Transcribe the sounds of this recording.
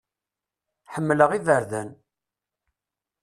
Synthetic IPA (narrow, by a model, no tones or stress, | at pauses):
ħəmːləʁiðəɾðæn